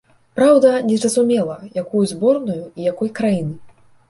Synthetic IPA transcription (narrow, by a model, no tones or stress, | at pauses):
pɾawd̪ɐnʲɛzɾɐzumʲɛlˠɐjakujuzʲbɔrnujuijakɔjkɾajinɨ